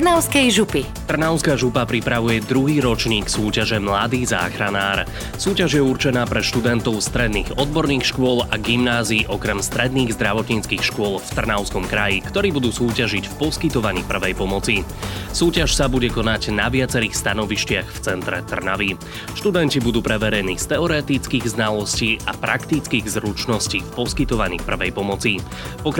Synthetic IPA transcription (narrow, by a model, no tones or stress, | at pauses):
naʊskɛjʒupi | t̪r̩naʊskaːʒupapɾipɾaʋujɛd̪ɾuɦiːɾɔt͡ʃɲiːksuːcaʒɛmlad̪iːza̰ːxɾanaːɾ | suːcaʒjɛuɾt͡ʃɛnaːpɾɛʃt̪ud̪ɛnt̪ɔʊst̪ɾɛd̪niːɣɔd̪̚bɔɾniːxʃkʊɔlaɡimnaːziːʔɔkɾɛmst̪ɾɛd̪niːɣzd̪ɾaʋɔt̪ɲiːt͡skixʃkʊɔlft̪r̩naʊskɔmkɾajikt̪ɔɾiːbud̪uːsuːcaʒicfpɔskit̪ɔʋaɲḭːpr̩ʋɛjpɔmɔt͡sisuːcaʃsabuɟɛkɔnaɟnaʋɪat͡sɛɾiːxst̪anɔʋiʃcɪaxft͡sɛnt̪ɾɛ̰t̪r̩na̰ʋi | ʃt̪ud̪ɛncibud̪uːpɾɛʋɛɾɛniːst̪ɛɔɾɛt̪it͡skiːɣznalɔsciːʔapɾakt̪it͡skiɣzɾut͡ʃnɔsciːpɔskit̪ɔʋaɲḭːpr̩ʋɛjpɔmɔt͡si | pɔkɾ